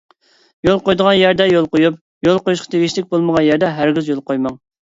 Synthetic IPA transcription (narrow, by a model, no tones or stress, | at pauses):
jolˠqojd̪əʁɑnjɛɾd̪ɛjolˠqojup̚ | jolˠqojuʃqʰɑt̪ʰeɡʲiʃlɪk̚ʲbolˠməʁɑnjɛɾd̪ɛɦæɾɡʲizjolˠqojmɑŋ